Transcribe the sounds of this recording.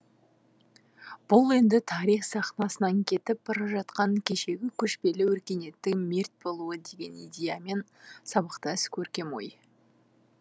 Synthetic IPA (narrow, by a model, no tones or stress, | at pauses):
b̥ʊlˠe̞nd̪ɪt̪ʰɑɾijχsɑχnɑsənɑŋkʲʰe̞t̪ɪp̚b̥ɑɾɑʒɑt̪qɑŋkʲʰe̞ʃe̞ɡʲɪkʲʰɵʃpe̞lɪwɵɾkʲe̞ne̞t̪ːɪkme̞ɾt̪̚bo̞lˠuəd̪e̞ɡʲe̞nijd̪ʲejame̞n | sɑbəqt̪əɪskʲʰɵɾkʲe̞mo̞̰j